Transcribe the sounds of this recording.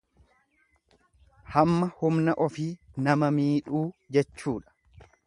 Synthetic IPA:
hɐmːɐhʊmnɐʔɔfiːnɐmɐmiːᶑuːd͡ʒɛt͡ʃːuːᶑɐ̥

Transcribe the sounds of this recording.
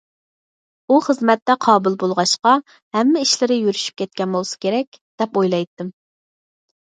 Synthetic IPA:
uχəzmɛt̪ːɛqʰɑːbɨlˠbolˠʁɑʃqɑ | hɛmːɪiʃlɪɾɪjyɾyʃy̥p̚kʲʰɛt̪̚kʲɛnbolˠsɨ̥kʲʰeɾɛk̚ʲ | d̪̥ɛpojlˠɑjt̪ːɨm

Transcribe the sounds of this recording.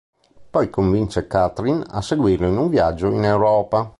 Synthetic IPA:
pɔjkoɱvint͡ʃekat̪ɾina̰seɡwiːrloinuɱvjad͡ʒːoinewɾɔːpa

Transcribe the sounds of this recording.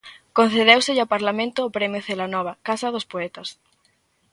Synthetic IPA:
kon̟θeðewsɪʎawpaɾlamẽnt̪ʊːpɾɛmjʊθelanɔβ̞ɐkasɐðʊspoɛt̪ɐs

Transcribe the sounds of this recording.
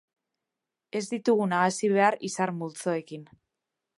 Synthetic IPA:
e̞zd̪it̪uɣunaɣasiβe̞aɾisaɾmult͡so̞e̞kin

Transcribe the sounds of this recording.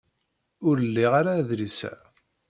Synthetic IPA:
ʊɾəlːiʁaɾaːðɾisæ̰

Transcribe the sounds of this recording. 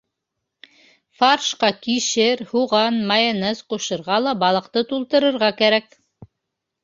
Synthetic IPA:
fɑrʃqɑkiʃɘɾhuʁɑnmɑjɤ̆nɤsquʃɤ̆ɾʁɑlˠɑbɑlˠɤ̆qt̪ɤt̪ulˠt̪ɤ̆ɾɤ̆ɾʁɑkæɾæk̚

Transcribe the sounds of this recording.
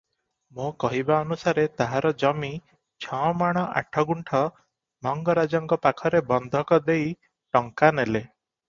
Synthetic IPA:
mokɔɦibaɔnusaɾet̪aɦaɾɔd͡ʒɔmi | t͡ʃʰɔ̃maɽ̃ɔʔa̰ʈʰɔɡuɳʈʰɔ | mɔŋɡɔɾad͡ʒɔŋkɔpakʰɔɾebɔnd̪ʱɔkɔd̪ej | ʈɔŋkanele

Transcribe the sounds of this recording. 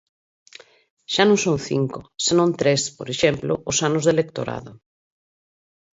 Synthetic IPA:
ʃanõŋsõŋθḭŋkosenõnt̪ɾespoɾeʃemplo̰osanozðelek̚t̪o̰ɾa̰ð̞o

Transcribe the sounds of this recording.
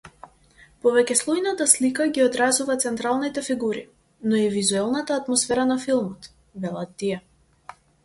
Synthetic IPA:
pɔvɛcɛslˠɔjnat̪aslikaɡʲiɔd̪ɾazuvat̪sɛnt̪ɾalˠnit̪ɛfiɡuɾi | nɔivizuɛlˠnat̪aːt̪mɔsfɛɾanafilˠmɔt̪ | vɛlˠat̪ːijɛ

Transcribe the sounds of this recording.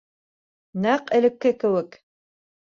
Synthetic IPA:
næqɘ̆lɘ̆kːɘkɘ̆wɘk

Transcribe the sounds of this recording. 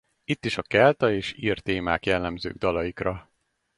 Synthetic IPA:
it̪ːiʃɒkɛlt̪ɒeːʃiːrt̪eːma̰ːkjɛlːɛmzø̰ːɡ̚d̪ɒlɒjikrɒ

